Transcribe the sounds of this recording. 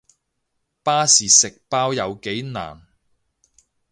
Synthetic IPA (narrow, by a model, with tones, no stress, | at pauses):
paː˥siː˨sɪ˨k̚paː˥wjɐ˨˧wke˨˥jna̰ː˨˩n